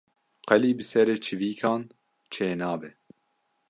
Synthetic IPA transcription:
qɛliːbɨsɛɾeːt͡ʃʰɨviːkʰɑːn | t͡ʃʰeːnɑːbɛ

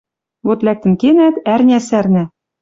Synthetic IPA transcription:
βot̪læk̚t̪ɘ̆nkenæt̪ærnʲæsærnæ

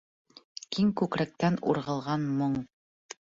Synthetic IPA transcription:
kiŋkʉkɾæk̚t̪ænṵɾʁɤ̆lˠʁɑnmoɴ

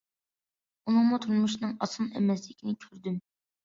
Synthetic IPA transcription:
unɨŋmut̪ʰuɾmuʃnɨŋɑsɨmɛ̰mɛslɪkʲʰinɪkʲʰøɾd̪ym

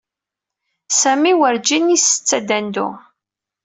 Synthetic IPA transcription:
sæmiwəɾd͡ʒinisə̥t͡sːæd̪ænd̪ʊ̰

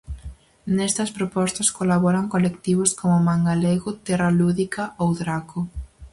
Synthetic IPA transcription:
nest̪ɐspɾopɔst̪ɐskolaβɔɾaŋkolekt̪iβ̞ʊskomʊmaŋɡaleɣʊt̪ɛraluðikɐowðɾakʊ

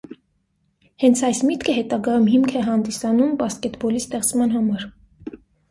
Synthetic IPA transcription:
hɛnt͡sʰɑjsmit̪kʰəɦɛt̪ɑɡɑjumɦimkʰɛɦɑnd̪isɑnumbɑskɛt̪bɔlist̪ɛχt͡smɑn̪ɦɑmɑɾ

